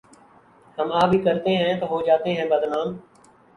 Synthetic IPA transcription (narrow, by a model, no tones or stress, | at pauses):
həmaːbʱiːkəɾt̪eɦɛ̃t̪oːɦod͡ʒaːt̪eɦɛ̃bəd̪naːm